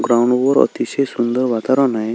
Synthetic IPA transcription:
ɡɾawɳɖbɔɾɔ̰t̪isesund̪ɔɾʋat̪aɾɔnaj

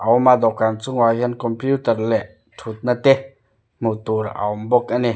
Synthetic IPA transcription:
ʔawmad̪ɔkːant͡suŋwaɦɛnkɔmpjut̪ərlɛʔ | tʰut̪̚nat̪ɛ | mut̪uɾʔa̰wmbɔk̚ʔani

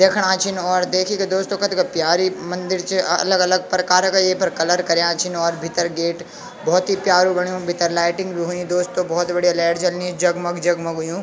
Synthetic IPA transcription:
d̪eːkʰɽ̃ãːt͡ʃʰɪnɔːɾd̪eːkʰiked̪oːst̪okɐt̪kɐpjaːɾimɐ̃nd̪ɪɾt͡ʃeɐləɡɐləɡ̚pɾɐkaːɾkajepʰɐɾkɐləɾkɐɾjãːt͡ʃʰɪnɔːɾbʱɪt̪əɾɡeːʈ | bɔɦːt̪ɦipjaːɾũbɐɽ̃ijũbʱɪt̪əɾlaːɪʈɪ̃ŋɡbʱiɦuĩd̪oːst̪obɔːt̪bɐɽijalɛːʈt͡ʃɐlnĩd͡ʒɐɡmɐɡd͡ʒɐɡmɐɡʊjũː

